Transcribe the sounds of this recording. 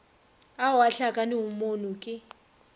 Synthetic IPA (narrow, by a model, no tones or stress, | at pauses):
awaɬakʼanɪumonukʼɪ